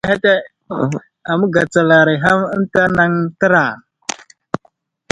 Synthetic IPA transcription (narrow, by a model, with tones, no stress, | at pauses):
ɦe˦te˦ | a˨mu˦ɡa˨t͡sa˨la˨ɾi˨ɦa˦mə˦n˦ta˦na˦ŋtə˦ɾa˨